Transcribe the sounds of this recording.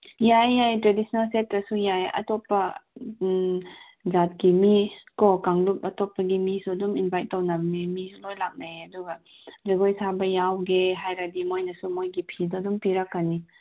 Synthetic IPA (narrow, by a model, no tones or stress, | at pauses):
jajːajtɾedisnalsetɾɐsujajɐ̰topːɐ | zat̚ɡimikɔkaŋlup̚ɐtopːɐɡimisuduminbʱajtːownɐbmimisulojlak̚najɐduɡɐ | zeɡojsabɐjawɡeɦajɾadimojnɐsumojɡipʰidɔdumpiɾakːani